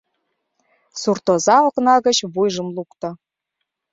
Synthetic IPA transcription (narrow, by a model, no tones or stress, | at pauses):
surt̪ŏzɑŏknɑɣə̆t͡ɕβujʒə̆mlukt̪ɤ̆